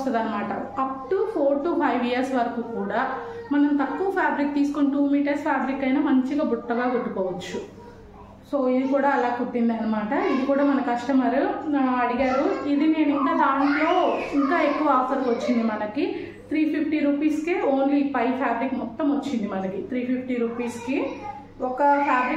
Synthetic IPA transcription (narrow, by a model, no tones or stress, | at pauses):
st̪ɐd̪ɐnːɐmaːʈɐɐp̚ʈupʰoːɾʈupʰɐjʋiːjɐɾsʋɐɾɐkuːkuːɽaː | mɐnɐmt̪ɐkːuʋɐpʰjaːbɾik̚t̪iːsu̥kuɳʈuːmiːʈɐɾspʰjaːbɾikːɐjnaːmɐɲt͡ʃiɡaːbuʈːɐɡaːkuʈːukɔːʋɐt͡ʃːu | soːid̪ikuːɽaːɐlaːkuʈːind̪ɐnːɐmaːʈɐid̪ikuːɽaːmɐnɐkikɐʂʈɐmɐɾuɐɽiɡaːɾuid̪ine̞ːnuiŋkaːd̪aːnʈlo̞ːiŋkaːe̞kːuʋɐaːpʰɐɾʋɐt͡ʃːind̪imɐnɐki | t̪ʰɾiːpʰipʰʈiɾuːpiːskeoːnlipɐjpʰjaːbɾikmɔt̪ːɐmʋɐt͡ʃːind̪imɐnɐkit̪ʰɾiːpʰipʰʈiɾuːpiːski | ɔkɐpʰaːbɾi